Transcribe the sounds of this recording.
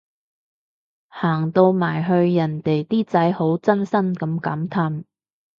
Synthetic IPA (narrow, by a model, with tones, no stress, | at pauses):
haː˨˩ŋt̪o˧wmaː˨˩jɦɵ˧ɥjɐ˨˩nt̪e˨˩jt̪iː˥t͡sɐ˨˥jho˨˥wt͡sɐ˥nsɐ˥nkɐ˨˧mkɐː˨˥mt̪ʰa˧m